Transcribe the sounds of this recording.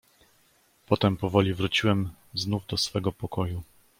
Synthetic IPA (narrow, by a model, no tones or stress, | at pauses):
pɔt̪ɛmpɔvɔlʲivɾut͡ɕiwɛm | znuvd̪ɔsfɛɡɔpɔkɔju